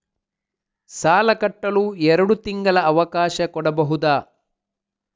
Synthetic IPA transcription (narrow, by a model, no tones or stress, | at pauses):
saːlɐkɐʈːɐluɛɾɐɽut̪iŋɡɐlɐɐʋɐkaːʃɐkɔɽɐbɐɦud̪aː